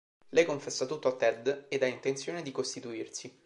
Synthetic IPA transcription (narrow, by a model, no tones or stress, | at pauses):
lɛjkoɱfɛsːat̪ut̪ːoat̪ːɛd̪ed̪aint̪ent̪sjoːned̪ikost̪it̪uirsi